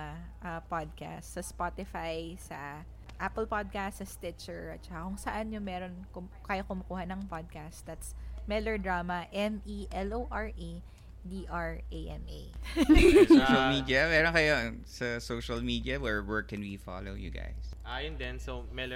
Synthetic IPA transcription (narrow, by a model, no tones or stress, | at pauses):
ʔɐpad̪̚ka̰st̪sɐspat̪ɪfajsɐ | ʔapɛlpad̪̚kast̪sɐst̪ɪt̪t͡ʃɛɹʔɐt̪̚t͡ʃɐkakʊŋsɐʔanjʊŋmɛːɾonkʊkaːjokʊmɐkuːhɐnɐŋpad̪̚kast̪̚d̪at̪smɛlɛɹd̪ɹaːmɐʔɛmʔiʔɛlʔoʔɐɹʔi | d̪iːʔaɹʔeʔɛmʔḛ | sɐlmid̪iɐmɛːɾonkɐjosɐsoʃɐlmid̪iɐwɛɹwɛɹkːɛnwifa̰lo̰wjṵɡa̰jsʔajʊnd̪ɛnsomɛl